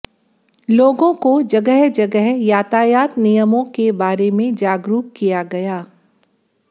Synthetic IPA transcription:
loːɡõkod͡ʒɐɡəɦd͡ʒɐɡəɦjaːt̪aːjaːt̪nijəmõkebaːɾemẽd͡ʒaːɡɾuːkkijaɡɐjaː

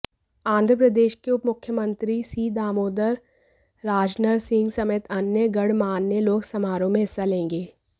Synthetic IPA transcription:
ãːnd̪ʱɾəpɾəd̪eːʃkeʊpmʊkʰjəmə̃nt̪ɾisiːd̪aːmoːd̪əɾː | aːd͡ʒnəɾsɪ̃ŋɡsɐmeːt̪ɐnjəɡɐɽmaːnːeloːɡsɐmaːɾõmẽɦɪsːalẽːŋɡeː

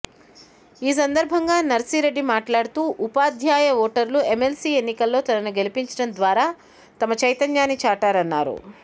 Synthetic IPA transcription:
iːs̬ɐnd̪ɐɾbʱɐŋɡaːnɐɾsiːɾe̞ɖːimaːʈlaːɽut̪uːʔupaːd̪ʱjaːjɐʋɔːʈɐɾlue̞melsiːenːikɐlːo̞ːt̪ɐnɐnuɡe̞lipiɲt͡ʃɐɽɐnd̪ʋaːɾaː | t̪ɐmɐt͡ʃɐjt̪ɐnjaːnit͡ʃaːʈaːɾɐnːa̰ːɾṵ

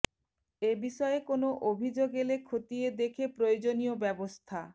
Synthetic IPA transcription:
ebiʃɔeekonoʔobʱid͡ʑoɡelekʰot̪ied̪ekʰepɾojod͡ʑoniobɛbost̪ʰa

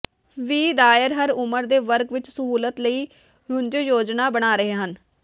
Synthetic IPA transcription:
ʋiːd̪aːɪɾɦəɾʊməɾd̪eːʋəɾkʋɪt͡ʃsəɦuːlət̪ləiː | ɾʊɲd͡ʒjoːd͡ʒnaːbəɽ̃aːɾəɦeːɦən

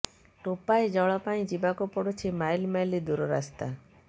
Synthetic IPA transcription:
ʈopaed͡ʒɔɭɔpaĩd͡ʒibakupɔɽut͡ʃʰimajlmajlid̪uɾɔɾast̪a

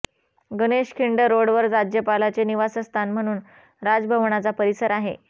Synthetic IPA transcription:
ɡəneɕkʰiɳɖəɾoɽʋəɾd͡zɾad͡ʑjəpalat͡seniʋasəst̪ʰanm̤əɽ̃uːn | ɾad͡zbʱəʋɳat͡sapəɾisəɾaɦe

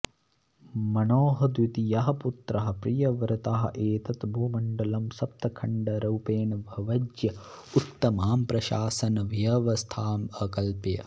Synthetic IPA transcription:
mɐnoːɦɐd̪ʋit̪ijɐɦɐput̪ɾɐɦɐ̆pɾijɐʋɐɾɐt̪aɦɐ̰ʔeːt̪ɐt̪bʱoːmɐɳɖɐlɐmsɐp̚t̪ɐkʰɐɳɖɐɾɐwpeːnɐʋʱɐʋɐd͡ʒjɐut̪ːɐmaːmpɾɐʃaːsɐnɐʋjɐʋɐst̪ʰaːmɐkɐlpɐjɐ̰

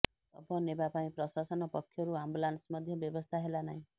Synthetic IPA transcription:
ɔ̰pɔnebapaĩpɾɔsasɔnɔpɔkʰːjɔɾuambulansmɔd̪ʱjɔbjɔbɔst̪ʰaɦelanaɦĩ

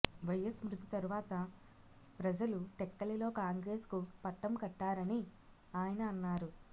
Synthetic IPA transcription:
ʋɐjɐsmɾut̪it̪ɐɾuʋaːt̪ɐ | pɾɐd͡ʒɐluʈɛkːɐlilo̞ːkaːŋɡɾe̞ːskupɐʈːɐmkɐʈːaːɾɐni | aːjɐnɐːnːaːɾu

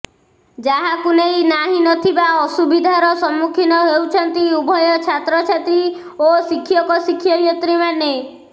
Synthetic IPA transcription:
d͡ʒaɦakunejnaɦinɔt̪ʰibaɔsubid̪ʱaɾɔsɔmːukʰinɔɦewt͡ʃʰɔnt̪iubʱɔjɔt͡ʃʰat̪ɾɔt͡ʃʰat̪ɾi | osikʰijɔkɔsikʰːjɔjɔt̪ɾimane

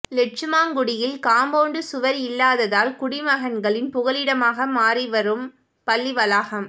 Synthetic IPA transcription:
lɛʈ̚t͡ʃɯmaːŋɡʊɽɪjɪlkaːmboːɳɖɯsʊʋɐɾɪlːaːðɐðaːlkʊɽɪmɐɣɐnɡɐɭɪnpʊɣɐɭɪɽɐmaːɣɐmaːriʋɐɾɯm | pɐlːiʋɐlaːɣɐm

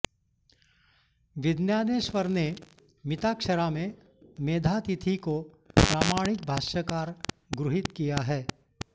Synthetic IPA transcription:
ʋɪd̪njaːneʃʋəɾne | mɪt̪aːkʃəɾamẽ | meːd̪ʱat̪it̪ʰiko | pɾaːmaːɽ̃ɪk̚bʱaːʃjəkaːɾ | ɡɾʊɦɪt̪kijaɦɛː

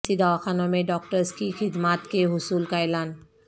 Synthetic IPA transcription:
sid̪awaxʰanɔmeɖɔk̚tɔɹskixʰid̪mat̪keɦusulkajlan

